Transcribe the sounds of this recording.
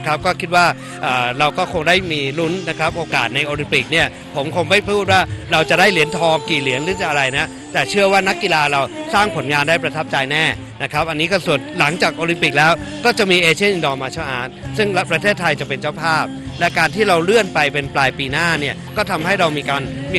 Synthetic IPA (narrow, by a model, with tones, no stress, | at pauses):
kʰɾa˦˥p̚kɔː˥˩kʰi˦˥t̪̚waː˥˩ | ʔaː˨˩ɾa˧wkɔː˥˩kʰo˧ŋdaː˥˩jmiː˧lu˦˥nːa˦˥kʰa˦˥p̚ʔoː˧kaː˨˩t̪̚na˧jʔoː˧li˧npi˨˩k̚ni˥˩ɐ | pʰo˩˦mkʰo˧ŋma˥˩jpʰɾa˧pʰuː˥˩t̪̚waː˥˩ɾa˧wt͡ɕa˨˩daː˥˩jli˨˩˦ənt̪ʰɔː˧ŋkiː˨˩li˨˩˦əŋlɯː˨˦t͡ɕa˨˩ʔa˧ɾa˧jna˦˥ | t̪ɛː˨˩t͡ɕʰɯ˥˩əwaː˥˩na˦˥kːi˧laː˧ɾa˧wsaː˥˩ŋpʰo˩˦nŋaː˧ndaː˥˩jpɾa˧t̪ʰa˦˥p̚t͡ɕa˧jnɛː˥˩ | na˦˥kʰɾa˦˥p̚ʔa˧nːiː˦˥kɔ˥˩su˨˩ənla˩˦ŋt͡ɕaː˨˩k̚ʔoː˧li˧mpi˨˩k̚lɛː˦˥wkɔː˥˩t͡ɕa˨˩miː˧ʔeː˧t͡ɕʰi˥˩nʔi˧ndɔː˧maː˧t͡ɕʰa˥˩ʔa̰ː˨˩t̪̚sɯ˥˩ŋapɾa˧t̪ʰeː˥˩t̪ʰːa˧jt͡ɕa˨˩ʔpe˧nt͡ɕa˥˩wpʰaː˥˩p̚ | lɛ˦˥kaː˧nt̪ʰiː˥˩ɾa˧wlɯ˥˩ənpa˧jpe˧nplaː˧jpiː˧naː˥˩ni˥˩ɐkɔː˥˩t̪ʰa˧mhɦa˥˩jɾa˧wmiː˧kaː˧nm˧